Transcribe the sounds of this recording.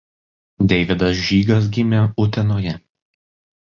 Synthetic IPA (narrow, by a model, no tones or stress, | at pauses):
d̪ʲɛɪʋʲɪd̪ɐs̬ʒʲiːɡɐs̬ɡʲɪmʲɛʊt̪ʲɛnoːjɛ